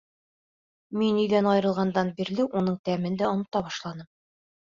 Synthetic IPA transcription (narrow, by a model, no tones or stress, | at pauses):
minːɵjd̪ænɒjɤɾɤ̆lˠʁɑnd̪ɑnbiɾlɘʔunɤɴt̪æmɘnd̪æŏnɤ̆t̪ɑbɒʃlˠɑnɤm